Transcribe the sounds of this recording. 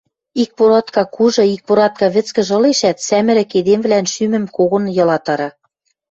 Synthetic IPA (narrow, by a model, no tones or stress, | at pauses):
ik̚poɾɑt̪kɑkuʒɤ̆ik̚poɾɑt̪̚kɑβɘ̆t͡skɘ̆ʒɤ̆leʃæt̪sæmɘ̆ɾɘ̆ked̪emβlænʃymɘ̆mkoɣŏnjɤ̆lɑt̪ɑɾɑ